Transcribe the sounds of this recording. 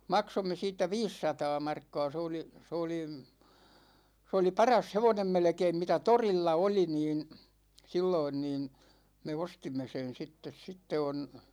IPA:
mɑksomːe siːtːæ ʋiːsːɑtɑː mɑrkːɑ̝ː se oli se oli s oli pɑrɑs heʋonem melĕkeim mitæ torilːɑ oli niːn̞ silːoin niːn̞ me ostimːe sen̞ sitːes sitːe on̞

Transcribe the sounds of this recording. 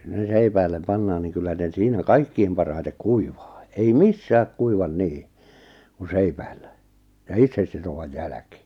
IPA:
ne seipæilˑem pɑnːɑːn niŋ kylːæ ne siːnæ kɑikːiːm pɑrhɑitek kuiʋɑ̥ː ei misːæːk kuiʋɑn niː ku seipæilːæ jɑ itsesːitoʋɑj jælæki̥

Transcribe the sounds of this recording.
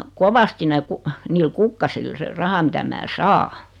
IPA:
koʋɑsti ne ku niːl kukːɑsil se rɑhɑ mitæ mæː sɑː

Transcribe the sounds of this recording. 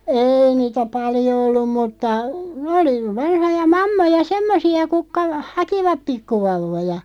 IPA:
eːi niːtæ pɑljo olːum mutːɑ oli ʋɑnhojɑ mɑmːojɑ semːosiɑ kukːɑ hɑkiʋɑp pikːuʋɑuʋˑojɑ

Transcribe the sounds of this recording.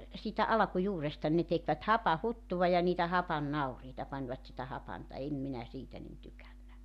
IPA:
siːtæ ɑlɑ̆kujuːrestɑ ne tekʋæt hɑpɑhutːuʋɑ jɑ niːtæ hɑpɑnːɑuriːtɑ pɑnʲʋɑt sitæ hɑpɑntɑ em minæ siːtæ nin tykænːæ

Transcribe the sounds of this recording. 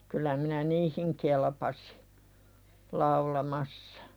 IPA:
kylˑæ minæ niːhiŋ kelpɑsi̥ lɑulɑmɑsːɑ̥

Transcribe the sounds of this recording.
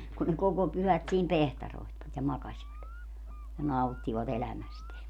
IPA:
kun ne koko pyhæt siːm pehtɑroi̯htʋɑt jɑ mɑkɑsʲʋɑt jɑ nɑutːiʋɑt elæmæsteæ

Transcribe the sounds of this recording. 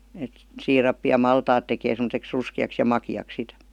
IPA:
et siːrɑpːi jɑ mɑltɑːt tekeː semə̆teks ruskiɑks jɑ mɑkiɑk sit

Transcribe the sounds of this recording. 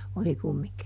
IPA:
oli kumːiŋki

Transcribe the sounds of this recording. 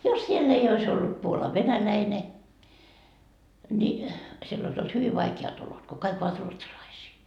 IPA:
jos sielː ei ois olːut puolɑʋ ʋenælæine nʲi sielː ois olt hyʋiʋ ʋɑikeɑt olot ko kɑik oʋɑt ruotsɑlɑisiː

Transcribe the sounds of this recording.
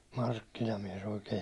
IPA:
mɑrkːinɑmies oikeː

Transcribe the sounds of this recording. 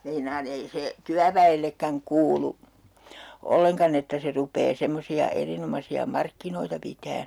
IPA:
meinɑːn ei se tyæʋæelːekːæŋ kuːlu olːeŋkɑn etːæ se rupeː semːosiɑ erinomɑsiɑ mɑrkːinoitɑ pitæːn̞

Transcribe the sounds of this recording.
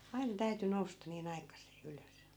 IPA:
ɑi̯nɑ̆ tæyty noustɑ niːn ɑikɑsˑeː yløs

